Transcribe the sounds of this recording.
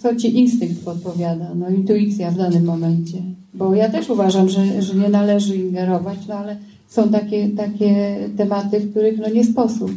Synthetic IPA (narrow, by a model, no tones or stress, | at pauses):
t̪sɔt͡ɕiʔinst̪ɘŋk̚t̪pɔt̪̚pɔvʲjad̪anɔint̪uit̪sʲjavd̪anɘmːɔmɛnt͡ɕɛ | bɔjat̪ɛʂuvaʐamʐɛʐɛɲɛnalɛʐɘiŋɡɛɾɔvat͡ɕnɔalɛ | sɔ̃w̃t̪̬akʲɛt̪akʲɛt̪ɛmat̪ɘfk̚t̪uɾɘxnɔɲɛspɔsup